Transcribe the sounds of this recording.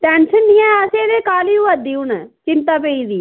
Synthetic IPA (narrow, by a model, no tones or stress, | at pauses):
t̪ɛːnsənd̪ɪjãːəseːd̪eːkaːliːuəd̪iːʊnt͡ʃɪnt̪aːpeːiːd̪iː